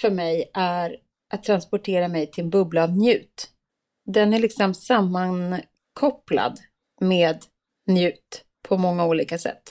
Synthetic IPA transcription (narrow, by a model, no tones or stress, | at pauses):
fœɾmɛjʔæɾ | ʔat̪ʰːɾanspɔʈʰeːɾamɛjt̪ʰɪlnbɵblaːvnjʉ̟ːt̪ | d̪ɛnæɭɪksɔmsamːan | kʰɔpla̰d̪ | meːd̪ | njʉ̟ːt̪ | pʰːɔmɔŋːauːliːkasɛ̰t̪ː